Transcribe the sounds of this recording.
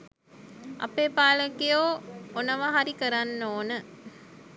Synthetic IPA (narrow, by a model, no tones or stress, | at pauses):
ʔɐ̰peːpaːləkijoːonɐʋaɦaɾikəɾanːoːnə